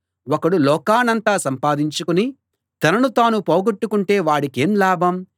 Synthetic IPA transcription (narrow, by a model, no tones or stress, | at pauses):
wɔkɐɽulɔːkaːnɐnt̪aːsɐmpaːd̪iɲt͡ʃukuni | t̪ɐnɐnut̪aːnupoːɡɐʈːukuɳʈe̞ːʋaːɽikeːmlaːbʱɐm